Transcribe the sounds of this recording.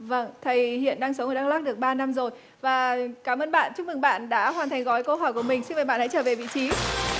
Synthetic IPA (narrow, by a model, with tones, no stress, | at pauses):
və˧˩ŋt̪ʰə˨˩jhḭ˧˨ənɗaː˧ŋsə˨˦wʔəː˨˧˩ɗa˧˥k̚laː˦˥k̚ɗɨ˨˩ək̚ɓaː˧na˧mzo˨˩j | vaː˨˩kaː˨˦mʔəː˧nɓa̰ː˧˨nt͡ɕʊ˦˥k̚mɨ˨˩ɓa̰ː˧˨nɗa̰ː˧˥ɦwaː˨˩nt̪ʰa˨˩ŋɣɔ˨˦jkə˧ɦɔ˧˩jku˧˩əmï˨˩ŋ̟si˧nvə˨˩ɓa̰ː˧˨nha̰˧˥jt͡ɕəː˧˩ve˨˩vḭ˧˨t͡ɕi˨˦